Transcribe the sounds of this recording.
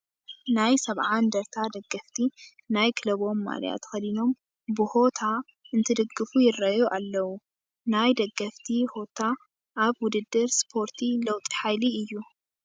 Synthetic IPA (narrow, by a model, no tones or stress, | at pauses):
najsɐβʕand̪ɐɾt̪ʰad̪ɐɡːɐft̪ʰi | najkʰɨlɐβo̞mːa̰l̰ja̰t̪xɐd̪ino̞m | bɨho̞t̪ʰa | ɨnt̪ʰɨd̪ɨɡːɨfujɪrɐjoʔalːɐwu | najd̪ɐɡːɐft̪ʰiho̞t̪ʰa | ʔːβwʊd̪ɨd̪ːɨɾspʰo̞ɾt̪ʰilɐwt̪ʼi̥ħajliɨjːu